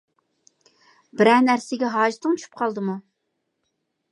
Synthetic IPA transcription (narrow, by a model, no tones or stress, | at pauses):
bɪɾɛnæɾsɪɡʲɛɦɑːʒɪt̪ʰɨŋt͡ʃʰuʃʰy̥p̚qʰɑlˠd̪ɨmu